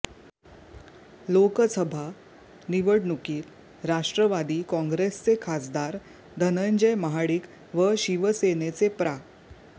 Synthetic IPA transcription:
lokəsəbʱa | niʋəɽnukiːt̪ | ɾaʂʈɾəʋad̪iːkɔ̃ŋɡɾest͡sekʰasd̪aɾ | d̪ʱənəɲd͡ʑəjməɦaɽiːk | ʋəɕiʋəsenet͡sepɾa

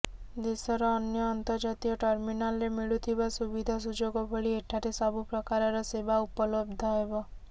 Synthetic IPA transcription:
d̪esɔɾɔːnjɔːnt̪əɾd͡ʒat̪ijɔʈɔɾminalɾemiɭut̪ʰibasubid̪ʱas̬ud͡ʒoɡobʱəɭieʈʰːaɾesabʱupɾɔkaɾɔɾɔsebaupɔlob̚d̪ʱɔɦebɔ

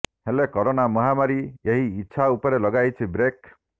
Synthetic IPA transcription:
helekɔɾonamɔɦamaɾieɦiːtːt͡ʃʰaupɔɾelɔɡajt͡ʃʰibɾek

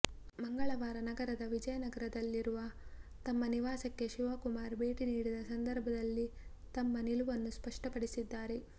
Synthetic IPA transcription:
mɐŋɡɐɭɐʋaːɾɐnɐɡɐɾɐd̪ɐʋid͡ʒɐjɐnɐɡɐɾɐd̪ɐlːiɾuʋɐt̪ɐmːɐniʋaːsɐkːe̞ʃiʋaːkumaːɾbʱe̞ːʈiniːɽid̪ɐsɐnd̪ɐɾbʱɐd̪ɐlːi | t̪ɐmːɐniluʋɐnːuspɐʂʈɐpɐɽisid̪ːaːɾe̞

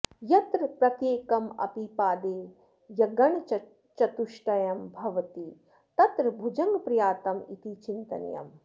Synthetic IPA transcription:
jɐt̪ɾɐpɾɐt̪jeːkɐmɐ̰pipaːd̪eː | jɐɡɐɳɐt͡ʃ | t͡ʃɐt̪uʂʈɐjɐmbʱɐʋɐt̪i | t̪ɐt̪ɾɐbʱud͡ʒɐŋɡpɾijaːt̪ɐmit̪it͡ʃint̪ɐ̰nɐ̰jɐ̰m

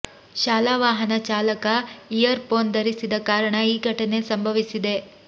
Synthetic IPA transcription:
ʃaːlaːʋaːɦɐnɐt͡ʃaːlɐkɐijɐɾpoːnd̪ɐɾisid̪ɐkaːɾɐɳɐiːɡʱɐʈɐne̞sɐmbʱɐʋisid̪e̞

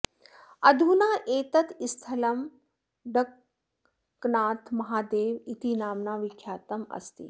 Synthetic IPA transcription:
ɐd̪ʱunaːʔeːt̪ɐt̪ʰist̪ʰɐlɐm | ɖɐkː | naːt̪ʰmɐɦaːd̪eːʋit̪inaːmnaːʋɪkʰjaːt̪ɐmɐ̰st̪ḭ

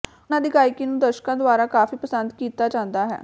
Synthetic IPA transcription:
nãːd̪iːɡaːjɪkiːnũːd̪əɾʃkãːd̪oaːɾaːkaːfiːpəsənd̪kiːt̪aːt͡ʃãːnd̪aːɦɛ̰ː

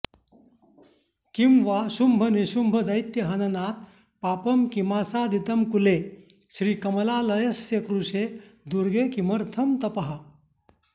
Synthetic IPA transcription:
kimʋaɕumbʱɐniɕumbʱɐd̪ɐjt̪jɐɦɐnɐnaːt̪̚ | paːpɐmkimaːsaːd̪it̪ɐmkule | ɕɾiːkɐmɐlaːlɐjɐsjekɾuɕed̪uɾɡekimɐɾt̪ʰɐmt̪ɐpɐɦa

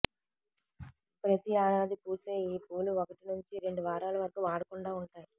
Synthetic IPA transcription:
pɾɐt̪iaːnaːd̪ikuːseːiːpuːluokɐʈinuɲt͡ʃiɾe̞ɳɖuʋaːɾaːlɐʋɐɾɐkuʋaːɽɐkuɳɖaːuɳʈaːji

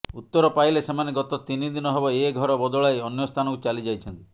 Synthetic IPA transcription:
ut̪ːɔɾɔpajlesemaneɡɔt̪ɔt̪inid̪inɔɦebɔeɡʱɔɾɔbɔd̪ɔɭajɔnjɔst̪ʰanɔkut͡ʃalid͡ʒajt͡ʃʰɔnt̪i

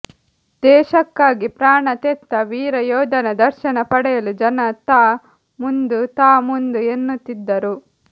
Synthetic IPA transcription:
d̪̥ɛːʃɐkːaːɡipɾaːɳɐt̪et̪ːɐʋiːɾɐjɔːd̪ɐnɐd̪ɐɾʃɐnɐpɐɽɛjɐlud͡ʒɐnɐt̪aː | mund̪ut̪aːmund̪uenːut̪ːid̪ːɐɾu

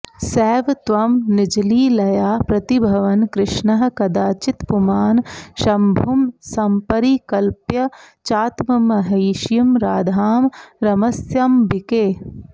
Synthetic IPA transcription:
sɛːʋt̪ʋɐmnid͡ʒliːlɐjaːpɾɐt̪ibʱɐʋɐnkɾɪʃɳɐɦɐ̆kɐd̪aːt͡ʃit̪pumaːnʃɐmbʱumsɐmpɐɾiːkɐlpjɐ | t͡ʃaːt̪mɐmɐɦɐːʃjɐmɾaːd̪ʱaːmɾɐmɐsjambikeː

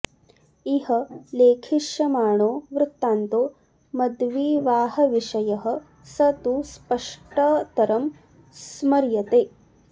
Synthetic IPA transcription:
iɦɐleːkʰiʃjɐmaːɳoːʋɾɪt̪ːaːnt̪oː | mɐd̪ʋiːʋaːɦɐʋiʂɐjɐɦɐ̆ | sɐt̪uspɐʂʈɐt̪ɐɾɐm | smɐɾjɐt̪eː

